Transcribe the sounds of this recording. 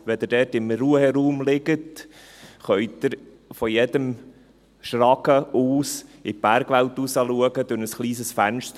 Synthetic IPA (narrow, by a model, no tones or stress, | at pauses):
ʋɛd̪ədɛːtɪmɾuəhɛɾuːmlɪɡət | χœʏtd̥̪ɪɾ | fɔjɛd̪əm | ʃɾɑkəʔuːsɪb̥æɾɡ̥ʋælt̪usɑluəɡəd̥̪ʊɾnəsχliːsəsfænʃt